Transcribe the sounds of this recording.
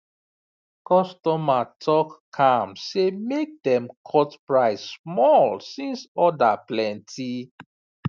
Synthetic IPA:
kɔstɔmatʰɔkːʰãmsemek̚dɛ̃mkʰɔtpɹaɪssmɔlsĩnsɔdaplɛ̃ntʰi

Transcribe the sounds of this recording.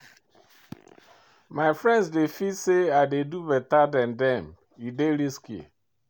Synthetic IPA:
maɪfɹɛ̃ndzdefidseaɪdedubɛtadãndɛ̃m | ideɾiskḛ

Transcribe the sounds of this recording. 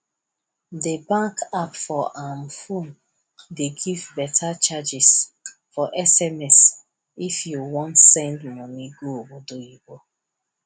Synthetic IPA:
debãŋkapfɔʔãmfõn | deɡivbɛtʰat͡ʃad͡ʒis | fɔʔɛsɛmɛs | ifjuwɔ̃ntsɛ̃ndmɔniɡowodoibo

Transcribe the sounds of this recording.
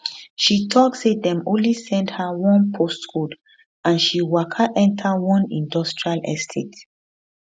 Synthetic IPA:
ʃitʰɔk̚sedɛ̃mõnlisɛ̃ndhawɔ̃npʰostkud | ãnʃiwakʰaʔɛ̃ntʰawɔ̃nḭ̃ndɔstɹialɛ̰stʰet

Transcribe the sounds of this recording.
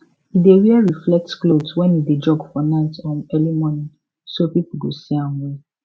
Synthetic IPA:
ideɾiɛɹiflɛk̚tklodswɛ̃nided͡ʒɔɡfɔnaɪtɔ̃nɛlimɔnĩ | sopipulɡoseãwũ

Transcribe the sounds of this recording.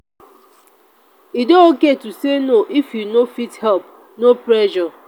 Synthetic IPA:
idooketusenoʔifjunofithɛlp̚ | nopɾɛʃɔ

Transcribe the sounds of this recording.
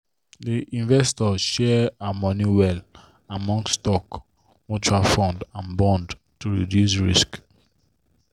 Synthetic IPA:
diʔĩɱvɛstɔʃɛamɔniwɛl | amɔ̃ŋstɔk | mɔt͡ʃɹalfɔ̃ndãnbɔ̃nd | tuɹidjus̬ɹḭsk

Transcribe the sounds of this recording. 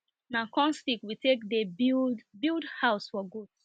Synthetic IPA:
nakɔ̃nstikwitʰekdeibildhaʊsfɔɡud̥

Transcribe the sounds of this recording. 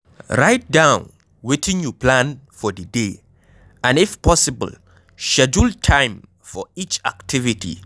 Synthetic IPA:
ɹaɪt̚dãʊ̃n | wetʰɪ̃ŋjupʰlãnfɔdəde | ãnɪfpɔsibə̰l | ʃɛd͡ʒultʰãɪ̃m | fɔit͡ʃa̰ktʰivitʰḭ

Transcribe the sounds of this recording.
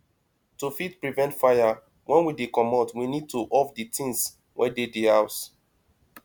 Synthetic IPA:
tufitpɹivɛ̃ntfaja | wʔɛ̃nwidekɔmɔtwinid̚tuʔɔfditʰĩns | wʔɛdedehaʊs

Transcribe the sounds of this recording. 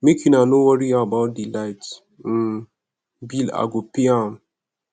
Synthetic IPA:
mekʰjĩnanowaɹiaəbaʊt̚dilaɪt̩ | bila̰ɡopiãm

